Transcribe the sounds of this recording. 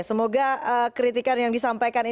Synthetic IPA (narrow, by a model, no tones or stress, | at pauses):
səmoɡaəkɾit̪ikanjaŋdisampajkani